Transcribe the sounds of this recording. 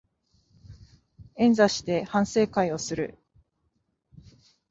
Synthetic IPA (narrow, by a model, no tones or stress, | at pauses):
ẽ̞nzaɕi̥t̪e̞hãɰ̃se̞ːkaio̞sɨɾɯ̟̰